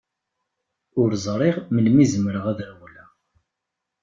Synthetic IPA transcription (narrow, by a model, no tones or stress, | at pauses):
ʊɾzˤɾˤiʁməlmizəmɾəʁæðɾwlæ